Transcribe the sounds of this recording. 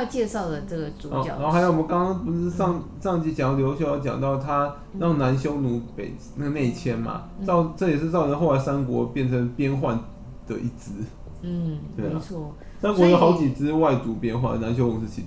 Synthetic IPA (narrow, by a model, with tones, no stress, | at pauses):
jɑ˥˧t͡ɕjɛ˥˧ʂɑ˥˩ʊd̪ə˩ʈ͡ʂɤ˥˩ɡə˩t͡su˨˧ɔ˧˨ɑ˨˩˨xjo˨˩wɔ˨mə˦kɑ˥ŋkɑ˥ŋpu˧˥˧ʂɑ˥˧ŋ | ʂɑ˥˧ŋt͡ɕi˥˩t͡ɕɑ˨˩ŋt̪ljo˧˥ʊɕjo˥˩˦jʊt͡ɕjɑ̰˨˩ŋt̪ɑ˥˩ʊt̪ʰa˦˥ | ɻɑ˥˨˩ŋna˧˦nɕjo˥ʊnu˧˥˦pe˨˩ɪ˥na˥˩ɡə˩ne˥˩ɪt͡ɕʰjɛ˥nma̰˨ʈ͡ʂɑ˥˩ʊʈ͡ʂɤ˥˩jɛ˨˩ʂɻ̩˥˧t͡sɑ˥˩ʊʈ͡ʂʰɤ˧˦xo˥˩ʊla˧˥ɪsa˥nkwɔ̰˧˥pjɛ˥˩nt͡sʰə˧˥ŋpjɛ˥nxwa˥˩n | d̪̥ə̰˨˩ʔi˧˩t͡sɹ̩˥˩ | we˥˩ɪ̰˧˨t͡sʰwɔ˥˩ | sa˥nkwɔ˧˥jo˧˥ʊxɑ˧˥ʊt͡ɕi˨˩t͡sɹ̩˥wa˥˩ɪt͡su˨˧˥pjɛ˥nxwa˥˩nd̪na˧˦nɕjo˥ʊnu˨˩ʂ̬̩˥˧˩t͡ɕʰi˧˩